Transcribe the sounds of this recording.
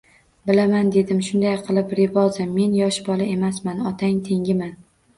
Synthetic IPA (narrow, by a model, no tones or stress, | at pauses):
bɪlamand̪e̞d̪ɪmʃʊnd̪ajqʰɨlˠɪpɾɪvɒzɪmːe̞njɒʃbɒlˠae̞masmanɒt̪ʰaŋt̪ʰe̞ŋɡʲɪman